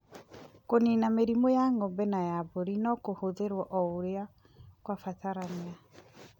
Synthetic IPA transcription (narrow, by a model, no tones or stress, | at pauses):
koninameɾimojaŋɔmbɛnajaboɾinɔkohoðeɾwɔʔɔoɾea | kwafataɾanea